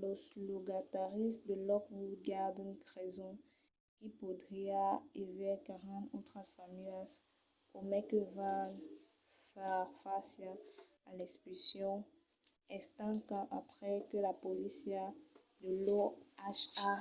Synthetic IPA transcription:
ləsloɡat̪aʁistd̪əlɔkbuɡaʁd̪ynkʁɛzɔ̃ | kipud̪ʁiaevɛkaʁɑ̃t̪ot̪χasamyas | omɛkəva | fɛʁfasa | alɛspisjɔ̃ | ɛst̪ãkãʔapχɛkəlapolisja | d̪əlɔaʃa

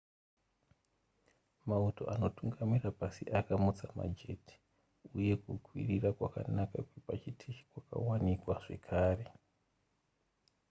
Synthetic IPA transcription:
mauto̞̰ʔano̞tuŋɡamirapasiʔakamut͡sama̰d͡ʒe̞ti̥ | uje̞kukwirirakwaka̰nakakwepat͡ʃitʰikwaka̰wanikwaʐe̞kʰaːre̞

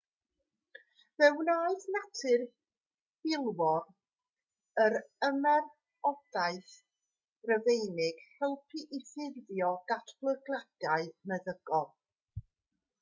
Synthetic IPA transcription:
vɛwnaːɨθnatʰɪr | hɪlˠwɔn | əɾəmɛr | ɔd̥aɨθ | rəvejnɪɡ̥hɛlˠpʰiʔɪθɪððjɔɡ̥atʰlˠəɡlˠad̥aɨmɛðəɡ̥ɔlˠ

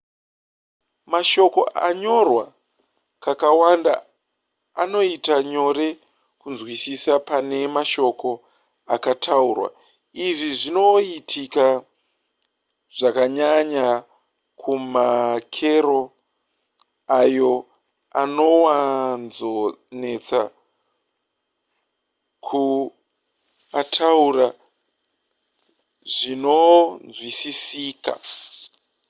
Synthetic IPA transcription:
maʃo̞ko̞ʔa̰ɲo̞rwa | kakawanda̰ | ano̞itaɲo̞ɾe̞ | kunzwisisapane̞maʃo̞ko̞ | akatʰaurwa̰ | iʐiʐino̞itʰika | ʐ̥akaɲaɲa | kʰumakʰe̞ɾo̞ | ajo̞ | a̰no̞wanzone̞t͡sa̰ | kʰu | atʰaura | ʐino̞nzwisisiːka̰

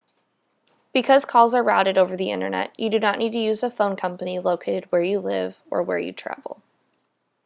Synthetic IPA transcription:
b̥ɨkʰʌz̥kʰɔlˠzə˞ɹaʊɾɨɾoʊvə˞ðiɪ̰̃ñə̰˞nɛ̰ʔʔɨdɨnəʔnʔid̚tʰɨjʉzəfõʊ̃nkʰʌ̃mpəniloʊkʰeɪɾɨd̚wə˞jɨlɪ̰v | ə̰˞wə̰˞jɨ̰tʰɹ̥æ̰vl̩ˠ

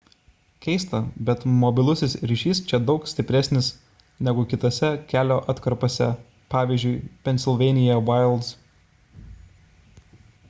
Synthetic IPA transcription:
kʲɛɪst̪ɐbʲɛt̪mɔbʲɪlˠʊsʲɪsɾʲiʃʲiːst͡ʃʲɛd̪ɒʊksʲt̪ʲɪpʲɾʲæsʲnʲɪs | nʲɛɡʊkʲɪt̪ɐːsʲɛkʲæːlʲoːʔɐt̪kɐɾpoːsʲɛ | pɑːʋʲiːzʲd͡ʒʲʊɪpʲɛnʲsʲɪlˠʲʋʲɛɪnʲɪjɛʋɐˑɪlˠd̪s

